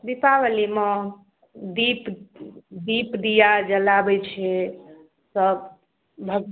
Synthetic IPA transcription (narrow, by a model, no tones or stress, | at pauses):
d̪ipaʋəlimɔ̃ | d̪ip | d̪ipd̪ijad͡ʒəlabət͡ʃʰe | səb | bʱəɡ